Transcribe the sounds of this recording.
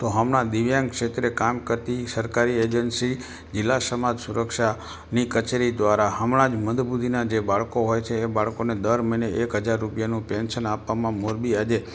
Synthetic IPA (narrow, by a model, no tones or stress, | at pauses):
t̪oɦəmɳad̪iʋjaŋkʃet̪ɾekamkəɾt̪isəɾkaɾied͡ʒənsi | d͡ʒɪlːasəmad͡ʒsuɾəkʃa | nikət͡ʃeɾid̪ʋaɾaɦəmɳãd͡ʒməd̪bud̪ʱinad͡ʒebaɭkoɦojt͡ʃʰeːbaɭkoned̪əɾməineʔekɦəd͡ʒaɾːupjanũpenʃənapːamãmoɾbiad͡ʒe